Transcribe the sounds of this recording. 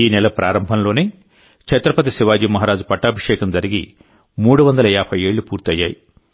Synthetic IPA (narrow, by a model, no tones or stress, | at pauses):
iːnɛlɐpɾaːɾɐmbʱɐnlo̞ːneː | t͡ʃɐt̪ɾɐpɐt̪isiʋaːd͡ʒiːmɐɦaːɾaːd͡ʒupɐʈːaːbʱiʂɛːkɐmd͡ʒɐɾiɡḭ | muːɽuʋɐnd̪ɐlɐaːpʰɐje̞ːɭːupuːɾt̪ɐjːa̰ːji